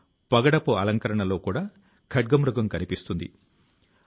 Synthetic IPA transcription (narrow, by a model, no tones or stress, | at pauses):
pɐɡɐɽɐpuɐlɐŋkɐɾɐɳɐlo̞ːkuːɽaː | kʰɐʈ̚ɡɐmɾuɡɐmkɐnipist̪und̪ḭ